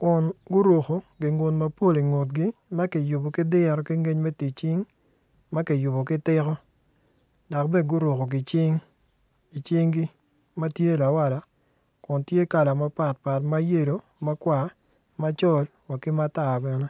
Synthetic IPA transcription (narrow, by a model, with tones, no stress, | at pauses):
kʊ˨nɡʊ˦ɾwo˨xo˨ɡɪ˨ŋo˨tma˦po˦˨li˨ŋo˨tɡi˦ | ma˦ki˨ju˨bo˨kɪ˦dɪ˦˨ɾɔ˨ki˦ŋe˦ɲme˦ti˨t͡ʃɪ˦ŋ | ma˦ki˨ju˨bo˨kɪ˦tɪ˦kɔ˦ | da˨kbɛ˦˨ɡʊ˦ɾo˨ko˨ɡɪ˨t͡ʃɪ˦ŋ | i˨t͡ʃi˦ŋɡi˦ | ma˦tje˦la˨wa˨la˨ | kʊ˨ntje˦ka˨la˨ma˦pa˨t̚pa˨tma˦je˦˨ɾo˨ | ma˦kwa˨ | ma˦t͡ʃɔ˦l | wa˨kɪ˦ma˦ta˨bɛ˨nɛ˦